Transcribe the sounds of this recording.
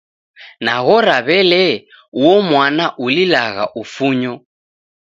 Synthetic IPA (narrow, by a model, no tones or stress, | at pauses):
naɣɔɾaβɛlɛ | uɔmwanaʔulilaɣa̰ʔufuɲɔ